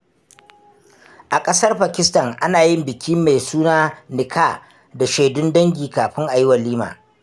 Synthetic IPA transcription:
ʔa˨kʼɐ˦sɐ˦rɸa˨kʲɪ˦stɐ˨ŋʔa˦naː˨jɪ˦mbɪ˨kʲiː˦mːa˨jsuː˦naː˦nɪ˨kʰaː˦˨ | da˨ʃeː˨dʊ˦ndɐ˦ŋɡʲiː˨kaː˨ɸɪ˦ŋʔa˨jɪ˦wɐ˨liː˦ma̰ː˨

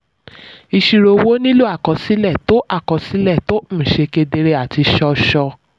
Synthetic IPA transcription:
i˧ʃi˧ɾo˧wo˦nĩ˦lu˦a˦˨kɔ̃˨˧si˦lɛ˦˨to˨˦ʔa˦˨kɔ̃˨˦si˦lɛ˦˨to˨˦m̩˦˨ʃe˧ke˧de˧ɾe˧˦a˨ti˧ʃɔ˧ʃɔ˧

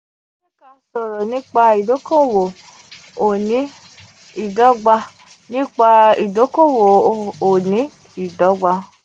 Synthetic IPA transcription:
ẽ˦ka˧˦sɔ˨ɾɔ˨nĩ˦k͡pa˧i˨do˨˦kõ˦˨wo˨ | o˨nĩ˨˦ | i˦˨dɔ˨˦ɡ͡ba˧ | nĩ˦k͡pa˧i˨do˨˦kõ˦˨wo˨o˨nĩ˨˦ | i˦˨dɔ˨˦ɡ͡ba˧

